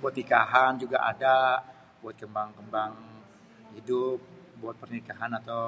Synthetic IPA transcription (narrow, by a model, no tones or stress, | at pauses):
buat̪nikaɦand͡ʒuɡaʔa̰da | buat̪̚kəmbaŋkəmbaŋ | hidʊp̚ | buat̪̚pərnikaɦanat̪aw